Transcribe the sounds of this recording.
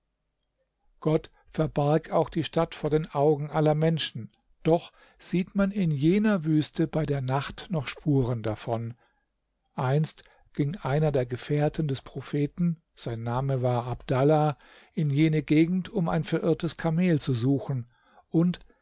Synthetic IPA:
ɡ̥ɔt | fɛɐbaɐkaʊxd̥iːʃtatfoːɐdeːnʔaʊɡŋ̩ʔalɐmɛnʃn̩ | d̥ɔχ | z̥iːtmanɪnjeːnɐvyːstəbaɪdeːɐnaχtnɔχʃpʰuːʁəndafɔn | ʔaɪnst | ɡ̥ɪŋʔaɪnɐdeːɐɡəfɛːɐtn̩dɛspʁ̥ofeːtn̩ | z̥aɪnːaːməvaːɐʔabd̥ala | ʔɪnjeːnəɡeːɡŋ̩tʊma̰ɪnfɛɐʔɪɐtəskʰameːlt͡suzuːxn̩ | ʔʊnt

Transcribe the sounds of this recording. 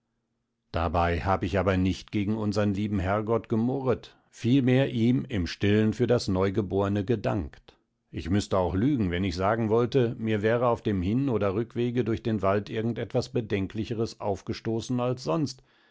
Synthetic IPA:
d̥a̰baɪhaːbəɪçaːbɐnɪçtɡ̥eːɡŋ̩ʊnzɐʁənliːbm̩ɦɛɐɡɔtɡ̥əmʊʁət | fiːlmeːɐʔiːmɪmʃtɪlənfyːɐdasnɔʏɡəboːʁənəɡədaŋkt | ʔɪçmʏstəaʊxlyːɡŋ̩vɛnɪçz̥aːɡŋ̩vɔltəmiːɐvɛːʁ̞əaʊfd̥eːmhɪnoːdɐʁʏkv̥eːɡədʊɐçd̥eːnvaltʔɪɐɡŋ̩tɛtv̥asb̥ədɛŋklɪçəʁəsʔa̰ʊfɡ̥əʃtoːsn̩alsz̥ɔnst

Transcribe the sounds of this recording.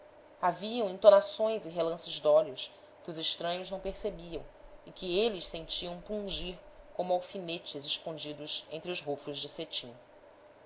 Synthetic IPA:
aviɐ̃w̃ẽnt̪onasõj̃zɪɦelɐ̃sɪzd̪ɔljʊs | kɪʊzɪʃt̪ɾɐ̃ɲʊʒnɐ̃w̃peɾsebiɐ̃w̃ɪkɪelɪʃsẽñt͡ʃiɐ̃w̃pũʒiɾ | kõmʊawfinet͡ʃɪzɪʃkõnd͡ʒid̪ʊsḛ̃nt̪ɾʊzɦofʊʒd͡ʒɪset͡ʃĩ

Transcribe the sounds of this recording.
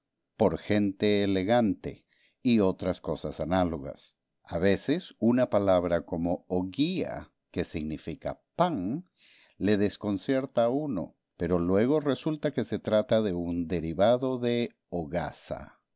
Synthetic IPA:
po̞ɾxe̞nt̪e̞ːle̞ɣant̪ḛ | io̞t̪ɾasko̞sasanalo̞ɣa̰s | aβe̞sesunapalaβ̞ɾako̞mooɣia̰ | ke̞siɣnifika̰paŋ | le̞ðe̞sko̞nsje̞ɾt̪auno̞̰ | pe̞ɾo̞lwe̞ɣ̞o̞re̞sult̪ake̞se̞t̪ɾat̪aðe̞und̪e̞ɾiβaðo̞ðe̞ | oɣa̰sa̰

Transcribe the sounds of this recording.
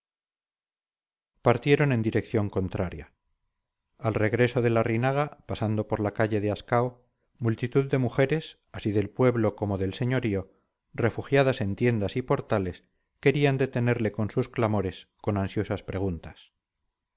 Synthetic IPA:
paɾt̪je̞ɾo̞nẽ̞nd̪iɾe̞kθjo̞ŋko̞nt̪ɾaɾja̰ | alre̞ɣ̞ɾe̞so̞ðe̞larinaɣapasand̪o̞po̞ɾlakaʎe̞ð̞easkao | mult̪it̪uðːe̞muxe̞ɾe̞s | asiðe̞lpwe̞βlo̞ko̞mo̞ðe̞lse̞ɲo̞ɾio̞ | re̞fuxjaðase̞nt̪je̞nd̪asipo̞ɾt̪ale̞s | ke̞ɾiand̪e̞t̪e̞ne̞ɾle̞ko̞nsusklamo̞ɾe̞sko̞nansjo̞saspɾe̞ɣ̞unt̪as

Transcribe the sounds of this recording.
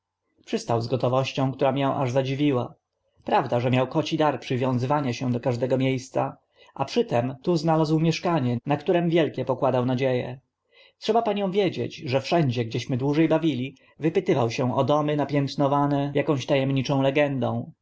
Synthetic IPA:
pʂɘst̪awzɡɔt̪ɔvɔɕt͡ɕɔ̃w̃kt̪uɾamjɛ̃w̃ʔa̰ʐzad͡ʑivʲiwa | pɾavd̪aʐɛmʲjawkɔt͡ɕid̪aɾpʂɘvʲjɔ̃w̃zɘvaɲaɕɛd̪ɔkaʐd̪ɛɡɔmʲjejst̪sa | ʔapʂɘt̪ɛmt̪uznalazwmʲjɛʂkaɲɛnakt̪uɾɛmvʲjɛlkʲɛpɔkwad̪awnad͡ʑejɛ̰ | tʂɛbapaɲɔ̃w̃vʲjed͡ʑḛd͡ʑʐɛfʂɛɲd͡ʑɛɡd͡ʑɛɕmɘd̪wuʐɛjbavʲilʲi | vɘpɘt̪ɘvawɕɛɔd̪ɔmɘnapʲjɛnt̪nɔvanɛjakɔ̃w̃ɕt̪ajɛmɲit͡ʂɔ̃w̃lɛɡɛnd̪ɔ̃w̃

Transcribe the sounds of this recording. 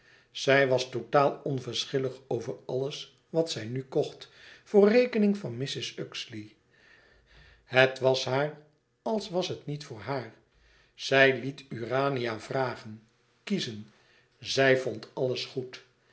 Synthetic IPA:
z̥ɛjʋɑstotaːlˠɔnvəɹsχɪləχowvəɹɑləs | ʋɑtsɛjnykɔχtfʊːrejkənɪŋvɑnmɪsɪsøksli | hətʋɑsɦaːr | ɑlˠsʋɑsɦətnitfʊːɹɦaːɹ | z̥ɛjlityːraːnijavraːχən | kizən | zɛjvɔntɑləsχut

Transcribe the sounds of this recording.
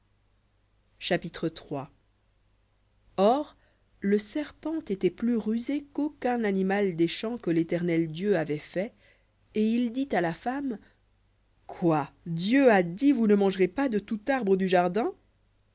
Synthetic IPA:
ʃapit̪χət̪χwa | ɔːʁ | ləsɛʁpɑ̃t̪et̪ɛplyʁyzekokɛ̃nanimald̪eʃɑ̃kəlet̪ɛʁnɛld̪jøavɛfɛ | eild̪it̪alafam | kʰwad̪jøad̪ivunəmɑ̃ʒʁepad̪ət̪ut̪aʁbʁəd̪yʒaʁd̪ɛ̃

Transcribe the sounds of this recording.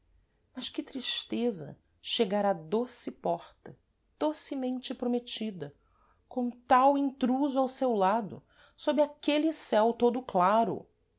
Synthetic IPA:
mɐʃkɪt̪ɾiʃt̪ezɐ̰ | ʃeɡaɾad̪osɪpɔχt̪ɐ | d̪̥osɪmẽnt͡ʃɪpɾomet͡ʃid̪ɐ | kõm̃t̪awĩnt̪ɾuzʊawsewlad̪ʊ̰ | sobɾɪakelɪsɛwt̪od̪ʊklaɾʊ̰

